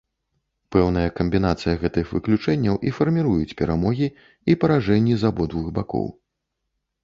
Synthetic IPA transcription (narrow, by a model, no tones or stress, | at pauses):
pɛwnɨjɐkɐmʲbʲin̪at̪sɨjɐɣɛt̪ɨxvɨklʲut͡ʂɛnʲːɐwʔifɐrmʲiɾujut͡sʲpʲɛɾamɔɣʲi | ipɐɾaʐɛnʲːizabɔd̪vɨɣbakɔ̰w